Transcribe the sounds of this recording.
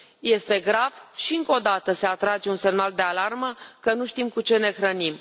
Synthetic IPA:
je̞st̪e̞ɡɾavʃiɨŋko̞d̪at̪əse̞at̪ɾad͡ʒe̞unse̞mnald̪e̞alarməkənuʃt̪imkut͡ʃe̞ne̞xɾənim

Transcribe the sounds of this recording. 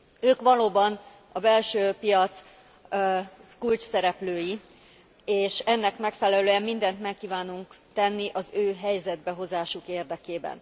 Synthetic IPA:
øːkʋɒloːbɒn | ɒbɛlʃøːpijɒt̪s | kult͡ʃsɛɾɛpløːji | eːʃɛnːɛkmɛkfɛlɛløːɛmmːind̪ɛnt̪mɛkːiːvaːnuŋkt̪ɛnːiʔɒzøːɦɛjzɛd̪̚bɛɦo̞zaːʃukeːrd̪ɛkeːbɛ̰n

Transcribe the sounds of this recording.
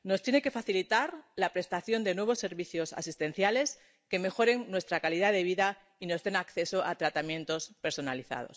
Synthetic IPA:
no̞st̪je̞neke̞faθilit̪aɾlapɾe̞st̪aθjo̞nd̪e̞nwe̞β̞o̞sːe̞ɾβiθjo̞sa̰sist̪e̞n̟θjale̞s | ke̞me̞xo̞ɾe̞ŋnwe̞st̪ɾakalið̞aðe̞β̞iða | ino̞zðe̞nakθe̞so̞ʔat̪ɾat̪amjẽ̞nt̪o̞spe̞ɾso̞naliθa̰ð̞o̰s

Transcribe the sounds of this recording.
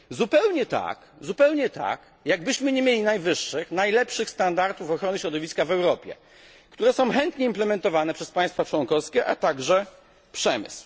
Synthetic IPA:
zupɛwɲɛt̪a̰k | zupɛwɲɛt̪a̰k | jaɡbɘɕmɘɲemʲjelʲinajvɘʂːɘxnajlɛpʂɘxst̪and̪aɾt̪ufɔxɾɔnɘɕɾɔd̪ɔvʲiskavɛwɾɔpʲjɛ̰ | kt̪uɾɛsɔ̃w̃xɛnt̪ɲɛimplɛmɛnt̪ɔvanɛpʂɛspaj̃st̪fat͡ʂwɔnkɔfskʲɛʔa̰t̪aɡʐɛ | pʂɛmɘ̰sw

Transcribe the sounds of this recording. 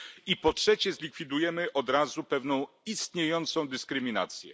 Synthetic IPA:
ipɔtʂɛt͡ɕɛzlʲikfʲid̪ujɛmɘʔɔd̪ɾazupɛvnɔ̃w̃ | ist̪ɲejɔnt̪sɔ̃w̃d̪ɘskɾɘmʲina̰t̪sʲjɛ̰

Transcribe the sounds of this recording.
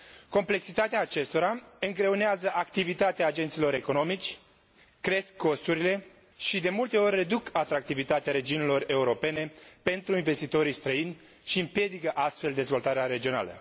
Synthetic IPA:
ko̞mple̞ksit̪at̪eaːt͡ʃe̞st̪o̞ɾaɨŋɡɾe̞uneazəʔakt̪ivit̪at̪eaːd͡ʒe̞nt̪silo̞ɾe̞ko̞no̞mit͡ʃʲː | ɾe̞skːo̞st̪uɾile̞ | ʃid̪e̞mult̪e̞o̞rʲːe̞d̪ukʰat̪ɾak̚t̪ivit̪at̪eaɾe̞d͡ʒiunilo̞re̞uɾo̞pe̞ne̞pe̞nt̪ɾuinve̞st̪it̪o̞ɾijst̪ɾəinʲ | ʃiɨmpje̞d̪ikəʔast̪fe̞ld̪e̞zvo̞lt̪aɾeaɾe̞d͡ʒio̞na̰lə̰

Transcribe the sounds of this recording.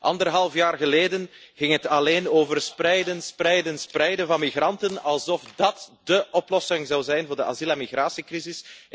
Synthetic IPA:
ʔɑ̰ndərɦɑlˠfjaːrɣəleːdənɣɪŋɦətɑleːnoːvərsprɛjdənsprɛjdənsprɛjdənvɑnmiɣrɑntənɑlˠzɔfdɑtdəʔɔplɔsɪŋzɑwzɛjnvʊːrdəʔa̰zilɛmiɣraːsikrizɪs

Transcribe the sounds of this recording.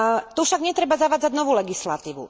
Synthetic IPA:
t̪ufʃaɡɲɛt̪ɾɛbazaʋaːd͡zaɟnɔʋuːlɛɡislat̪iːʋṵ

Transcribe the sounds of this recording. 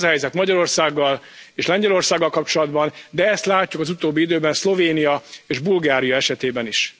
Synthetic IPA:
zɒɦɛjzɛt̪mɒɟɒɾo̞rsaːɡːɒl | eːʃlɛɲɟɛlo̞rsaːɡːɒlkɒp̚t͡ʃo̞lɒd̪bɒnd̪ɛɛst̪laːcːukɒzut̪oːbːiid̪øːbɛnslo̞veːnijɒeːʒbulɡaːɾijɒɛʃɛt̪eːbɛniʃ

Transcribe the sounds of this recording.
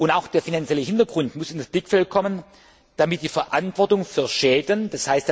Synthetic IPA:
ʔʊntaʊxd̥eːɐfinant͡sjɛləhɪntɐɡ̥ʁʊntmʊsɪndasb̥lɪkfɛlt̚kʰɔmən | d̥amɪt̚d̥iːfɛɐʔantv̥ɔɐtʊŋfyːɐʃɛːdən̩d̥ashaɪstd̥a

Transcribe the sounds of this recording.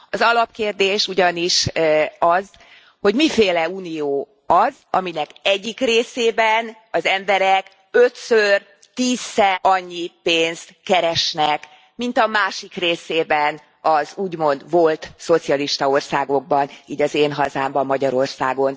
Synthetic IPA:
ɒzɒlɒp̚keːrd̪eːʃuɟɒniʃɒz | ho̞ɟmifeːlɛuːnijoː | ɒzɒminɛkɛɟːikreːseːbɛn | ɒzɛmbɛɾɛk | øt̪sør | t̪iːzːɛʔɒɲːipeːnst̪kɛɾɛʃnɛk | mint̪ɒmaːʃikreːseːbɛn | ɒzuːɟmo̞nd̪vo̞lt̪so̞t̪sijɒliʃt̪ɒo̞rsaːɡo̞ɡ̚bɒniːɟɒzeːnɦɒzaːmbɒmːɒɟɒɾo̞rsa̰ːɡo̞n

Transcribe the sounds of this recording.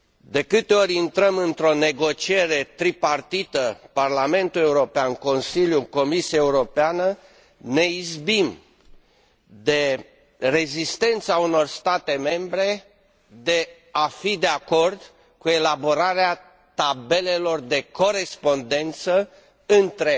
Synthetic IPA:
d̪e̞kɨt̪eo̞ɾʲint̪ɾəmɨnt̪ɾo̞ne̞ɡo̞t͡ʃie̞ɾe̞t̪ɾipart̪it̪əparlame̞nt̪ule̞uɾo̞peanko̞nsiljuko̞misiaeuɾo̞peanə | ne̞izbim | d̪e̞ | re̞zist̪e̞nt̪sauno̞rst̪at̪e̞me̞mbɾe̞ | d̪e̞ | afid̪e̞ako̞rd̪ | kue̞labo̞ɾaɾea | t̪abe̞le̞lo̞rd̪e̞ko̞ɾe̞spo̞nd̪e̞nt̪sə | ɨnt̪ɾe

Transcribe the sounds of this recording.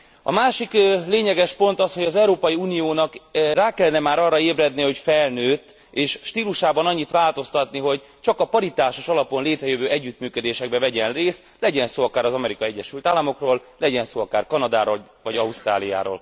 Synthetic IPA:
ɒ̰maːʃikleːɲɛɡɛʃpo̞nt̪ɒsho̞ɟɒzɛuɾoːpɒjiuːnijoːnɒkraːkɛlːɛnɛmaːɾɒrːɒeːbrɛd̪niho̞cfɛlnøːt̪ː | eːʃʃt̪iːluʃaːbɒnɒɲːit̪ʋaːlt̪o̞st̪ɒt̪niɦo̞ɟ | t͡ʃɒkɒpɒɾit̪aːʃoʃɒlɒpo̞nleːt̪ɾɛjøvøːɛɟːyt̪myːkød̪eːʃɛɡ̚bɛvɛɟɛnreːst̪lɛɟɛnsoːɒkaːɾɒzɒmɛɾikɒiɛɟːɛʃylt̪aːlːɒmo̞kroːl | lɛɟɛnsoːɒkaːrkɒnɒd̪aːɾol | vɒɟɒust̪ra̰ːlija̰ːɾo̰ːl

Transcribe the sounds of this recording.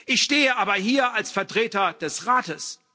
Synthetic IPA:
ʔɪçʃteːəʔaːbɐhiːɐʔalsfɛɐtʁ̥eːtɐd̥ɛsʁaːtəs

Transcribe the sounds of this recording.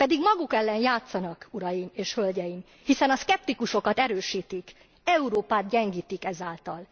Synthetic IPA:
pɛd̪iɡmɒɡukɛlːɛnjaːt̪sɒnɒkuɾɒjimeːʃhølɟɛjim | hisɛnɒskɛp̚t̪ikuʃo̞kɒt̪ɛɾøːʃiːt̪ik | ɛuɾoːpaːt̪̚ɟɛŋɡiːt̪ikɛzaːlt̪ɒl

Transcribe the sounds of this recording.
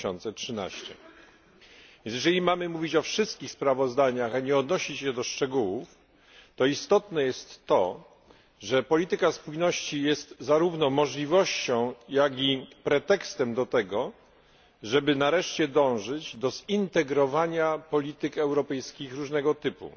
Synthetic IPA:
ɔnt̪sɛtʂɘna̰ɕt͡ɕɛ | vʲjnsjɛʐɛlʲimamɘmuvʲit͡ɕɔfʂɘst̪̚kʲixspɾavɔzd̪aɲaxaɲɛɔd̪nɔɕit͡ɕɕɛd̪ɔʂt͡ʂɛɡuwuf | t̪ɔist̪ɔt̪nɛjɛst̪ːɔ | ʐɛpɔlʲit̪ɘkaspujnɔɕt͡ɕijɛst̪zaɾuvnɔmɔʐlʲivɔɕt͡ɕɔ̃w̃jakʲipɾɛt̪ɛkst̪ɛmd̪ɔt̪ɛɡɔ | ʐɛbɘnaɾɛʂt͡ɕɛd̪ɔ̃w̃ʐɘd͡ʑd̪ɔzint̪ɛɡɾɔvaɲapɔlʲit̪ɘkɛwɾɔpɛjskʲixɾuʐnɛɡɔt̪ɘpṵ

